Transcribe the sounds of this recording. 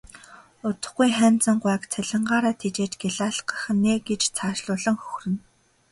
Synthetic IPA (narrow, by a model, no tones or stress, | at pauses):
ʊt̪ə̆χɡujχæːnt͡sə̆ɴɢwæːkt͡sʰæɮʲɪ̆ɴɢaːɾaːt̪ʰet͡ɕeːt͡ɕɡeɮaːɮɢə̥̆χ̆nːeːɡet͡ɕt͡sʰaːʃɮʊːɮə̆ŋxɵ̥xrɘ̆n